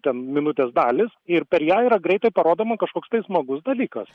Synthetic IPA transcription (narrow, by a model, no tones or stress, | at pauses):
t̪ʲɛnmʲɪnʊt̪ʲeːsd̪ɑːlʲɪsɪrpʲɛɾjæːiːɾɐɡɾʲɛɪt̪ɐɪpɐɾoːd̪oːmɐkɐʃkoːkst̪ɐɪsmɐɡʊsd̪ɐlʲiːkɐs